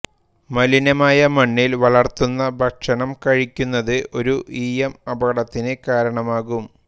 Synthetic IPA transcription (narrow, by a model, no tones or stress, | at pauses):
mɐlinɐmaːjɐmɐɳːilʋɐɭɐrt̪unːɐbʱɐkʂɐɳɐmkɐɻikʲːunːɐðɨʔo̞ɾuʔiːjɐmɐbɐɣɐɽɐt̪ːinɨkaːɾɐɳɐmaːɣum